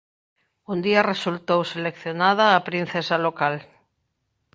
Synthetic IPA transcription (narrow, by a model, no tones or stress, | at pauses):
und̪iaresult̪owselekθjonaðaːpɾĩn̟θesalokal